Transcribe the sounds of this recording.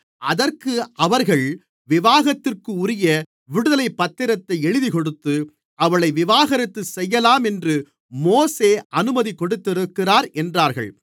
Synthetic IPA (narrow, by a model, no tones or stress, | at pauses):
ʔɐðɐrkɯʔɐʋɐɾɣɐɭ | ʋɪʋaːɣɐt̪ːɪrkɯʊɾɪjɐ | ʋɪɽɯðɐlɐɪpːɐt̪ːɪɾɐt̪ːɐɪɛɻɯðikɔɽɯt̪ːɯ | ʔɐʋɐɭɐɪʋɪʋaːɣɐɾɪt̪ːɯsɛjːɐlaːmɛndrɯ | moːseːʔɐnɯmɐðikɔɽɯt̪ːɪɾɯkːɪraːɾʔɛndraːɾɣɐ̰ɭ